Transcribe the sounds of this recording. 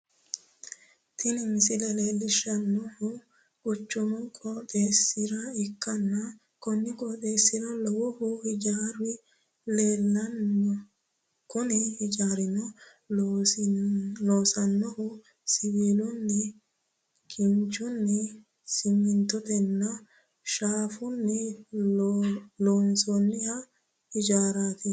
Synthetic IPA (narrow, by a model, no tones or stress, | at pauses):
t̪ʰɪnɪmɪsɪlɛle̞ːlːɪʃɐnːɔhʊ | ʊt͡ʃːʊmɔkʼɔt̪ʼeːsːɪɾɐɪkːɐnːɐ | kɔnːɪkʼɔːt̪e̞ːsːɪɾɐlɔwʊhʊhɪd͡ʒaːɾɪ | le̞ːlːɐnɔ | kʊnɪhɪd͡ʒaːɾɪnɔ | loːsɐnːɔhʊ | sɪβiːlʊnːɛ | kʰɪnt͡ʃʊnːɛ | sɪmːɪnt̪ɔt̪ɛnːɐ | ʃaːfʊnːɛ | loːnsɔnːɪhɐ | hɪd͡ʒaːɾaːt̪ɪ